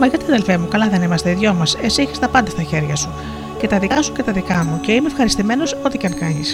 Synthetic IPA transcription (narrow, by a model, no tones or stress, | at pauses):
mɐʝɐt̪iɐðelfe̞mukɐlɐðe̞nimɐst̪eiðʝomɐse̞sieçi̥st̪ɐpɐnd̪ɐst̪ɐçe̞ɾʝɐsu | ce̞t̪ɐðikɐsu̥cet̪ɐðikɐmuce̞imefxɐɾist̪ime̞no̞so̞t̪icɐŋkɐɲis